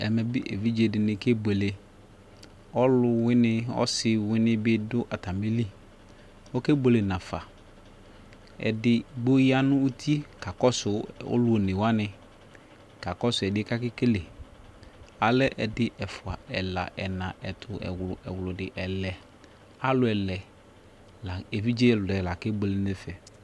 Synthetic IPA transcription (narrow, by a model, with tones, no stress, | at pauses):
ɛ̰˨mɛ˨bɪ˦ʔe˨vi˦d͡ʒe˨dɪ˨nɪ˨ke˦be˨le˨ | ɔ˦lʊ˦wɪ˦nɪ˦ɔ̰˦sɪ˦wɪ˦nɪ̃˦bɪ˦dʊ˦ʔa˨ta˨me˦li˦ | ɔ˦ke˦bo˨le˨nã˨fa̰˨ | ɛ̰˨dɪ˦ɡ͡bo˦ji˦a˦nʊ̃˦u˦tʰi˦ka˨kɔ˦sʊ˨o̰˦lʊ˦o˨ne˨wa˦nɪ̃˨ | ka˨kɔ˦sʊ˨ɛ˨dɪ˦ka˦kɪ˦ke˦le˨ | a˨lɛ˦ʔɛ˨dɪ˦ʔɛ˨fʊ˨a˨ɛ˨la̰˨ʔɛ˨nã˨ʔɛ˨tʰʊ˨ɛ̰˨wʊ˨ɛ˨wlʊ˨dɪ˨ʔɛ˨lɛ˨ | a˦lʊ˨˦ɛ˨lɛ˨ | la˨e˨vi˦d͡ʒe˦˨lʊ˨ɛ˨la˨ke˦bo˨le˨nɛ˦fɛ˨